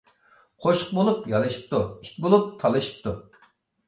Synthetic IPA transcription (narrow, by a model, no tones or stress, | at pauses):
qʰoʃə̥q̚bolˠupjɑlˠɨʃi̥p̚t̪ʰui̥kʲbolˠup̚t̪ʰɑlˠɨʃi̥p̚t̪ʰu